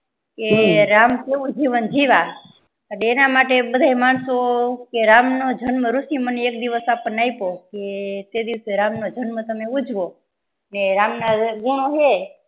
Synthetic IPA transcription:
keɾamkeʋũd͡ʒiʋənd͡ʒiʋa | əɽenamaʈebəd̪ʱaimaɳsokeɾamnod͡ʒʱənməɾusiməneek̚d̪iʋəsapəɳnaipoket̪ed̪iʋseɾamnod͡ʒənmət̪əmeud͡ʒʱʋo | neɾamnaɡuɽ̃oɦe

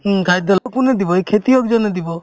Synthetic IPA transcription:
ɦkajd̪ɔlɔkuned̪ibɔekʰet̪iɔkd͡ʒɔned̪ibɔ

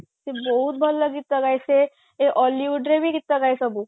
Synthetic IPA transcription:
sebɔɦut̪̚bʱɔlːəɡit̪ːəɡajse | eʔɔliʋuɖɾebiːɡit̪ːəɡajsəbu

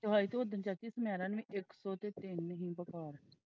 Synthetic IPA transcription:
t̪ʊɦaːiːt̪ood̪ənt͡ʃaːt̪iːsəmjaːɾãːnʋĩːʔɪksɔːt̪eːt̪ɪnɦĩːbəkaːɾ

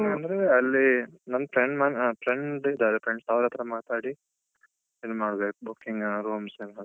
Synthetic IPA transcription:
ɐnd̪ɾeɐlːinɐnpɾeɳɖmaːnpʰɾeɳɖid̪aːɾepɾeɳɖst̪aːʋɾɐt̪ɾɐmaːt̪aːɽi | ilmaːɽbeːkbukːiŋɡɾuːmsema

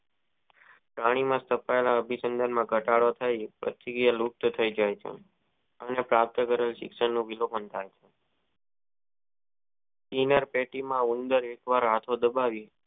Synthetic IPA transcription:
pɾaɽ̃imãst̪ʰəpaelaəbʱisənd̪ʱanmãɡʱəʈaɭot̪ʰəipɾə̰t̪iɡijəluk̚t̪ət̪ʰəid͡ʒajt͡ʃʰḛ | ənepɾap̚t̪əkəɾəlʃɪ̰kʃəɳnũʋilopənt̪ʰajt͡ʃʰe | sinəɾpeʈimãund̪əɾekʋaɾɦat̪ʰod̪əbaʋi

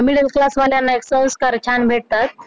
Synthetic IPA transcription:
miɽəlklasʋaljanːaeksə̃w̃skaɾt͡ɕʰanbʱeʈ̚t̪at̪

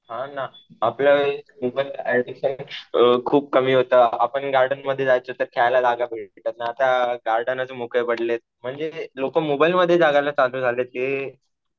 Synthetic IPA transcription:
ɦãnaː | pləʋemubəlaɖiɕənkʰuːp̚kəmiːɦot̪əːapəɳɡaɾɖənməd̪ʱjed͡zajt͡sot̪əɾkʰajlad͡zaɡʱabʱeɭʈeʈ̪ət̪̚naːt̪aɡaɾɖanad͡zəmukepəɽlet̪̚m̤əɳd͡zelokəmobajlməd̪ʱːjed͡zaɡalat͡saluːd͡zʱalet̪e

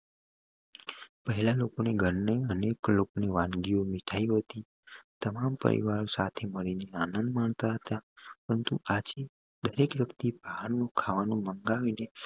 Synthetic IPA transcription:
pəɦɛlalokoneɡʱəɾneəneklokoneʋãnɡiomiʈʰaiɦət̪i | t̪əmampə̰ɾḭʋaɾosat̪ʰeməɾineanənd̪mãɳt̪aɦət̪apəɾənt̪uad͡ʒe | d̪əɾekʋjəkt̪ibʱaɦaɾnõkʰaʋanũməŋɡaʋine

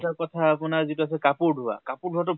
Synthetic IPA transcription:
takɔtʰaːpʊnaɹzituas̬ɛkapuɹdʱuwa̰kapʊɹdʱuwatʊ

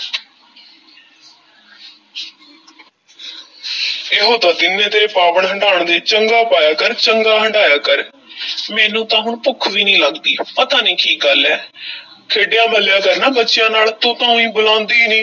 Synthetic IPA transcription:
eːɦoːt̪ãːd̪ɪnẽːt̪eːpaːʋəɳɦəɳɖaːɳd̪eːt͡ʃəŋɡaːpaːjaːkəɾt͡ʃəŋɡaːɦəɳɖaːjaːkəɾ | mɛːnũːt̪ãːɦʊɳpʊkʰʋiːnĩːləɡd̪iːpət̪ãːniːkʰiːk̚ɡəlɛː | kʰeːɖɪjãːbəljãːkəɾnãːbətːʃɪjãːnaːlt̪õːt̪ãːũĩːbʊlãːnd̪iːnĩː

